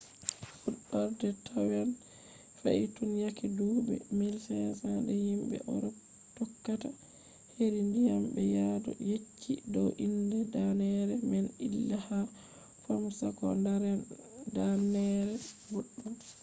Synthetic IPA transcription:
fuɗːɔɾdɛtʰawan | fa̰itunjakidubɛ̰mɛlsɛsadɛhimbɛ̰ʔɔ̰ɾɔ | tɔkːata | heɾindijambɛjadɔ̰jet͡ʃʰːidɔwʔindɛdanɛɾɛmɛnilːaha | fɔmsakɔ̰ndaɾɛn | danɛɾɛbuɗːɔn

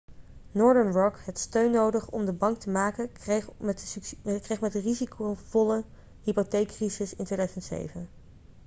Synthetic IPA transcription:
nɔɹdəɹnɹɔkɦɛtstøɥnowdəχɔ̰mdəbɑŋktəmaːkə | krejχmɛtdərizikowvɔlə | ɦipotejkːrizɪsɪ̰ntʋeːjdaɥzəzəntsḛjvən

